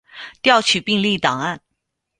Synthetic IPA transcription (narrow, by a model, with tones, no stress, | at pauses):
t̪jɑ˥˩ʊt͡ɕʰy˨˩pi˥˧ŋli˥˩t̪ɑ˨˩ŋa˥˩n